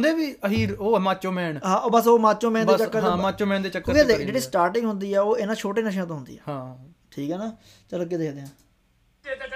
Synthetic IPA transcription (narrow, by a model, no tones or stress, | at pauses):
nd̪eːʋiːəɦiːɾoːmãːt͡ʃõːmɛ̃ːɳɦãːʔobəsoːmaːt͡ʃõːmɛ̃ːneːt͡ʃəkːəɾãmaːt͡ʃõːmɛ̃ːnd̪eːt͡ʃəkːəed̪eːd͡ʒeːɽiːsʈaːɾʈɪ̃ŋɡɦʊnd̪iːɛːoːɪnãːt͡ʃʰoːʈeːnəʃ̬ãːt̪õːɦʊnd̪ḭːɛ̰ɦãː | ʈʰiːkɦɛːnaː | t͡ʃələkeːd̪eːkd̪eːãː